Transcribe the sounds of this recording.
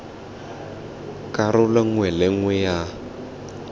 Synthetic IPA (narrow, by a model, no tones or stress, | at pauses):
kʼaɾʊlɛŋwɛlɛŋwɛja